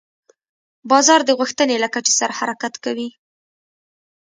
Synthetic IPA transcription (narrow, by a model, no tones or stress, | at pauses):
bɑzɑɾd̪əɣuxt̪ənelakat͡ʃe̥saɾahaɾakat̪kawi